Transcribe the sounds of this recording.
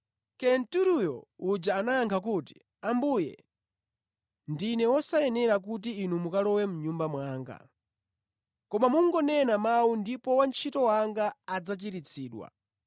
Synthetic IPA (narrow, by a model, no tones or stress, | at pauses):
kɛntuɾujɔud͡ʒaːnajaŋkʰak̬uːti̥ | ambujɛ̰ | ndinɛwɔsajɛnɛɾak̬ut̬iːnumukalɔwɛmuɲumbamwaːŋɡa̰ | kɔmamuŋɡɔnɛnamawundipɔwant͡ʃʰitɔwaŋɡaːd͡zat͡ʃiɾit͡sʰiːɗwa̰